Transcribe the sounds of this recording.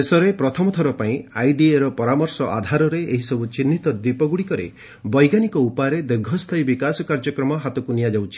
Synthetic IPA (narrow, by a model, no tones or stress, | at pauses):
esɔɾepɾɔt̪ʰɔmɔt̪ʰɔɾɔpaĩajɖieɾɔpɔɾamɔɾsɔʔa̰d̪ʱaɾɔɾeʔeɦisɔbut͡ʃinːit̪ɔd̪ipɔɡuɽikɔɾḛ | bɔjɡanikɔupaɾed̪eɾɡʱɔst̪ʰɔjbikasɔkaɾd͡ʒɔkɾɔmɔɦat̪ɔkunijad͡ʒawt͡ʃʰi̥